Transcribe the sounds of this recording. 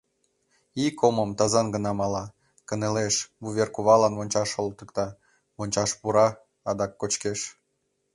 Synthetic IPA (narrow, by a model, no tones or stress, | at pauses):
ikoməmt̪ɑzɑnɡənɑmɑlɑ | kə̆neleʃbuβʲerkuβɑlɑnβonʲt͡ɕɑʃolt̪ə̆kt̪ɑ | βonʲt͡ɕɑʃpuɾɑ | ɑd̪ɑkːot͡ɕkeʃ